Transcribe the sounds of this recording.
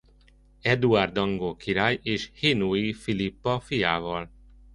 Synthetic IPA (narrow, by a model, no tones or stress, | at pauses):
ɛd̪uard̪ɒŋɡoːkʰiɾaːjeːʃheːnuifilipːɒfijaːvɒl